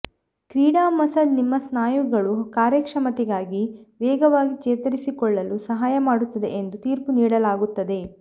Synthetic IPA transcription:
kɾiːɽaːmɐsɐd̪nimːɐsnaːjuɡɐɭukaːɾjɐkʂɐmɐt̪ɛɡaːɡiʋɛːɡɐʋaːɡit͡ʃeːt̪ɐɾisikɔɭːɐlusɐɦaːjɐmaːɽut̪ːɐd̪e̞̰ʔend̪ut̪iːɾpuniːɽɐlaːɡut̪ːɐd̪e̞

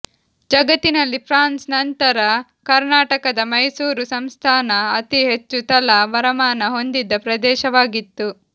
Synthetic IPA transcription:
d͡ʒɐɡɐt̪ːinɐlːipʰɾaːnsnɐnt̪ɐɾɐ | kɐɾnaːʈɐkɐd̪ɐmɐjsuːɾusɐmst̪ʰaːnɐːt̪iɦe̞t͡ʃːut̪ɐlɐʋɐɾɐmaːnɐɦo̞nd̪id̪ːɐpɾɐd̪ɛːʃɐʋaːɡit̪ːu

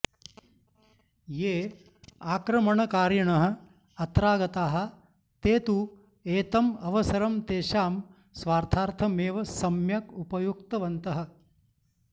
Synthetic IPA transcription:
jeː | aːkɾɐmɐɳɐkaːɾjɐɳɐɦɐ̆ | ɐt̪ɾaːɡɐt̪aːɦɐ̆ | t̪eːt̪u | eːt̪ɐmɐʋɐsɐɾɐmt̪eːʃaːm | sʋaːɾt̪ʰaːɾt̪ʰɐmeːʋɐsɐmjɐkupɐjukt̪ɐʋɐnt̪ɐɦɐ̆

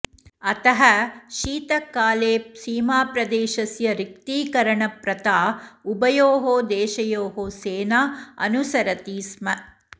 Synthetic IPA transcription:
ɐt̪ɐɦɐʃiːt̪ɐkːaːleːsiːmaːpɾɐd̪eːʃɐsjɐɾik̚t̪iːkɐɾɐɳɐpɾɐt̪aːubɐjoːɦoːd̪eːʃɐjoːɦoːseːnaːɐ̰nusɐɾɐt̪iːsmɐ

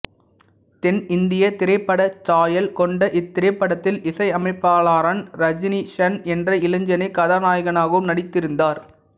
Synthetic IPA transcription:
t̪ɛnɪnd̪ɪjɐt̪ɪɾɐɪpːɐɽɐt͡ʃaːjɐlkɔɳɖɐʔɪt̪ːɪɾɐɪpːɐɽɐt̪ːɪlɪsɐɪɐmɐɪpːaːlaːɾaːnɾɐd͡ʒniʃɐnɛndrɐɪlɐɲd͡ʒɐnɐɪkːɐðaːnaːjɣɐnaːɣɯmnɐɽɪt̪ːɪɾɯnd̪aːɾ

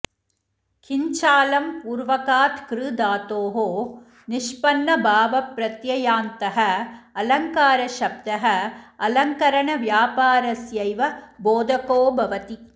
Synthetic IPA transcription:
kʰiɲt͡ʃaːlɐmpuːɾʋɐkaːt̪kɾɨd̪aːt̪oːɦoː | nɪʃpɐnːɐbʱaːʋɐpɾɐt̪jɐjaːnt̪ɐɦɐɐlɐŋkaːɾɐʃɐb̚d̪ɐɦɐɐlɐŋkɐɾɐɳɐʋjaːpaːɾɐsjɐjʋɐboːd̪ʱɐkoːbʱɐʋɐt̪i

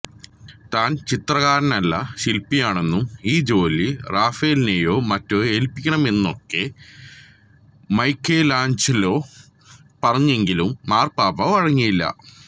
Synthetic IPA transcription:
t̪aːnt͡ɕit̪rɐɣaːɾɐnɐlːɐ̰ɕilpːijaːɳe̞nːumiːd͡ʑo̞ːliraːfejlneːjo̞ːmɐtːo̞ːeːlpikʲːɐɳɐme̞nːo̞kːe̞ | mɐjkːelaːɲt͡ɕɐlo̞ː | pɐrɐɲːue̞ŋɡilumːaːrpaːbɐʋɐɻɐŋːijilːɐ̰

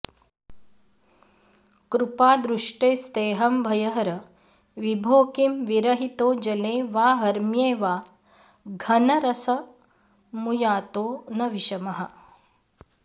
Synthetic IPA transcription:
kɾupaːd̪ɾuʂʈeːst̪eːɦɐmbʱɐjɐɦɐɾɐ | ʋibʱoːkimʋiɾɐɦit̪oːd͡ʒɐleːʋaːɦɐɾmjeːʋaː | ɡʱɐnɐɾɐsɐ | mujaːt̪oːnɐʋiʃɐmɐɦɐ̆

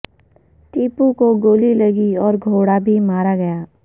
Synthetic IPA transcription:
ʈiːpukoɡoːlilɐɡiɔːɾɡʱoːɽabʱimaːɾaɡɐjaː

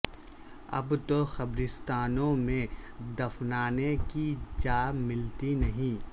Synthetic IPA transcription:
ɐ̰bt̪oxɐbɾɪst̪aːnõmẽd̪ɐfnaːnekid͡ʒaːmɪlt̪inɐɦĩ

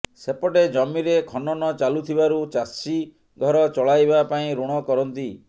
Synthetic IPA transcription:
sepɔʈed͡ʒɔmiɾekʰɔnɔnɔt͡ʃalut̪ʰibaɾut͡ʃasi | ɡʱɔɾɔt͡ʃɔɭajbapaĩɾuɽ̃ɔkɔɾɔnt̪i

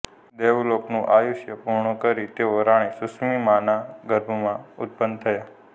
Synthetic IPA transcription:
d̪eʋloknũʔajuʃjəpuɾɳukəɾit̪eoɾaɽ̃isusmimãnaɡəɾbʱmãʊt̪̚pənd̪t̪ʰəja

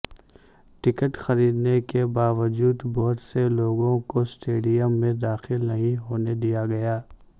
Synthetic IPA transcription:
ʈɪkəʈxɐɾiːd̪nekebaːʋəd͡ʒuːd̪bɔɦʊt̪seloːɡõkosʈeːɖijəmːẽd̪aːxɪlnɐɦĩɦoːned̪ijaɡɐjaː

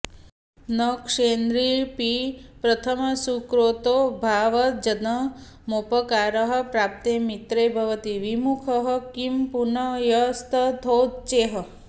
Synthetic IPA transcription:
nəkʂend̪ɾipipɾət̪ʰəmsukɾot̪obʱaʋəd͡ʒənə | mopəkaɾəɦə̆pɾap̚t̪emit̪ɾebʱɐʋət̪iʋimukʰəɦəkimpunəjəst̪ʰət̪ʰowd̪t͡ʃeɦə

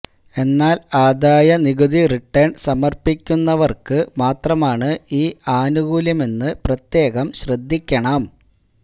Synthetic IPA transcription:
e̞nːaːlaːd̪aːjɐniɣuðiriʈːɐɳsɐmɐrpikʲːunːɐʋɐrkɨmaːt̪rɐmaːɳɨiːaːnuɡuːlɐme̞nːɨprɐt̪je̞ːɣɐmɕrɐd̪ʱːikʲːɐɳɐm

